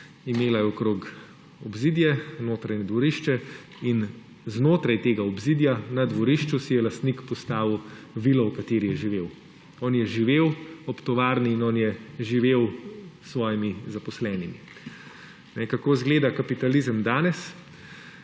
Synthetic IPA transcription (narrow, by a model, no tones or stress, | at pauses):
imeːlajɛɔkɾoːk | ɔbzid̪jɛnoːt̪ɾajɲɛd̪ʋɔɾiʃt͡ʃɛ | in | znoːt̪ɾajt̪eːɡaɔbzid̪janad̪ʋɔɾiʃt͡ʃusijɛlast̪nikpɔst̪aːʋw | ʋilɔwkat̪eːɾijɛʒiʋeːw | ɔːnjɛʒiʋeːwɔpt̪ɔʋaːɾniːnɔːnjɛʒiʋeːwsʋɔːjimizapɔslɛːnimi | nɛkakoːzɡleːd̪akapit̪alizəmd̪aːnɛs